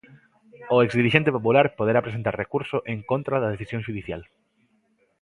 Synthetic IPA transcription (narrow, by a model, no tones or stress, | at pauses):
ʊekzd̪iɾiʃent̪epopulaɾpoðeɾapɾesent̪aɾrekuɾsʊʔeŋkont̪ɾaðɐð̞eθisjõŋʃuðiθjal